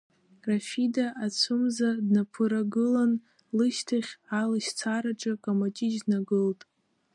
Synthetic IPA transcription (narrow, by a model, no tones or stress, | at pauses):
rafidaʔat͡sʷʰʊmzadnapʰɨɾaɡɨlan | lɨʃtʰaχʲalaʃt͡sʰaɾaʈ͡ʂʼɨkʼamat͡ʃʼid͡ʒnaɡɨltʼ